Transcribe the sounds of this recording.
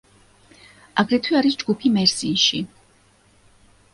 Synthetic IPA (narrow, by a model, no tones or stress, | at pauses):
aɡɾɛt̪ʰwiaɾis̬d͡ʒɡupʰimɛɾsiʃi